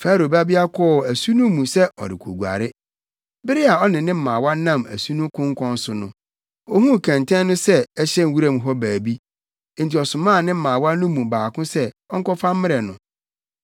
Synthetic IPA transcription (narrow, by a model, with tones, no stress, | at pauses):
faː˦ɾo˨ba˦bi˦a˦kʰɔ˦˨æ˨su˦nũ˦mũ˨sɛ˦ʔɔ̰˨ɾɪ̰˨kʰo˨ɡu˨a̰˨ɾɪ˦ | bɪ˦ɾɪ˦a˨ɔ˦nɪ̃˨nɪ̃˦m̩˦˨mãː˨wa˦nã˦˨mæ̰˨su˦nũ˦kʰʊ̃˦ŋ˦kʰɔ̃˦n˦sʊ˨nʊ̰̃˦ | o˦hũ˦˨kʰɛ̃˨ntʰɛ̃˦nː˦ʊ̃˦sɛ˦ɛ˦ɕɛ̃˦n˦wu˦ɾa˦˨m˨ɦɔ˦bæː˨bi˦ | n̩˨ti˨ɔ˨sʊ˨mãː˦˨nɪ̃˦m̩˦˨mãː˨wa˦nʊ̃˦mũ˨baː˨kʊ̃˦sɛ˦ | ɔ˦ŋ˦kɔ˦fa˦m˦mɪ̃˦ɾɛ˨nʊ̃˨